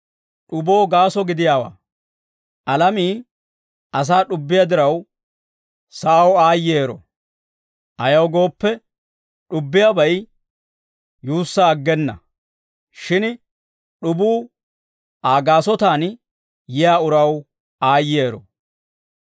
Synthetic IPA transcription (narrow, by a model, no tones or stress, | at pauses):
ɗʊbo̞ːɡaːsɔɡɪd̪ɪjaːwa̰ː | ʔɐlɐmiː | ɐs̬aːɗʊbːɪjad̪ɪɾɐw | sɐʔɐwaːjeːɾɔ̰ | ʔɐjɐwɡo̞ːpːɛ | ɗʊbːɪjaːbɐj | juːsːaːɡːɛnːɐ̰ | ʃɪn | ɗʊbuː | ʔaːɡaːsɔt̪aːn | jɪjaːʊɾɐw | aːjeːɾɔ̰